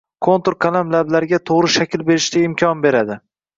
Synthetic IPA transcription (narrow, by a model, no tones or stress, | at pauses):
kʰont̪oɾkʰalamlablaɾɪɡʲat̪ʰoʁɾɪʃakʲɪlbe̞ɾɪʃt̪ʲaɪmkʲʰɒnbe̞ɾad̪ɪ